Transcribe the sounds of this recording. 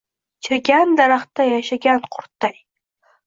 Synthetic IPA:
t͡ʃʰɪɾɡʲand̪aɾaχt̪ajaʃaɡʲanqʰʊɾt̪aj

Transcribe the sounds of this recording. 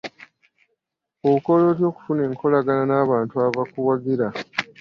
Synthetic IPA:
ouko̞lo̞ːtjo̞ːku̥fune̞ːŋkʰo̞laɡananaːβaːntuavakuwaɡiɾa

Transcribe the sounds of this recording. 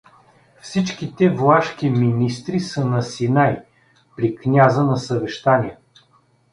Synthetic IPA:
fsit͡ʃkit̪ɛvlˠaʃkiminist̪ɾisənɐsinaj | pɾiknʲazənɐsəvɛʃt̪aniɛ

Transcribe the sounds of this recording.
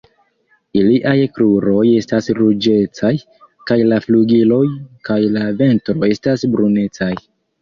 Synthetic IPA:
iliʔajkɾuɾo̞je̞stasɾud͡ʒe̞t͡saj | kajlafluɡilo̞jkajlave̞ntɾo̞e̞stasbɾune̞t͡saj

